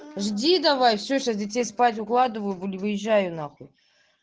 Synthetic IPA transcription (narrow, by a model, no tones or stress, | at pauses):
ʐdʲid̪avajfsʲoɕasd̪ʲɪtʲejʲspatʲʊklˠad̪ɨvəjʊvɨlʲvɨjɪʒːajʊnaxujʲ